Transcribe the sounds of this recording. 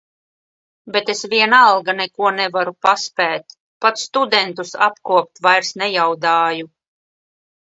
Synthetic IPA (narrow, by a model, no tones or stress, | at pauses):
bet̪esvʲiɛnalˠɡanɛkuɔnɛvaɾupaspæːt̪ | pat̪sst̪ud̪ɛnt̪usa̰pkuɔpt̪vajɾsnɛjawd̪aːju